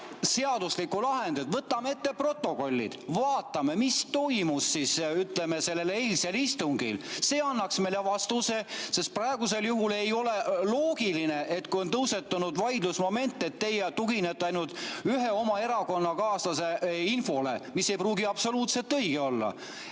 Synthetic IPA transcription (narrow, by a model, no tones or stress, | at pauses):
se̞ɑd̪uslikːulɑɦe̞nd̪̥ud̪̥vɤt̪ːˑɑmeet̪ːe̞pro̞t̪ˑːo̞ko̞lʲːḭd̪̥vɑːt̪ːˑɑme̞mist̪o̞jmusːisyt̪leme̞se̞lːe̞le̞lselist̪uŋɡḭlse̞ːɑnːɑksmelevɑst̪use̞se̞st̪̚prɑe̞ɡ̥use̞ljuɦule̞jo̞le̞lo̞ːɡ̥iline̞ʔet̪kujo̞nt̪ɤwse̞t̪ːɑnud̪̥vɑjd̪lusmo̞me̞nt̪ːˑe̞t̪ːe̞jet̪uɡinet̪ːˑɑjnult̪ˑyɦe̞o̞mɑe̞ɾɑko̞nːɑkɑːsɑse̞info̞lemisːe̞jpruːɡiɑb̥so̞luːt̪se̞lt̪ːɤjɡ̥eo̞lːɑ̰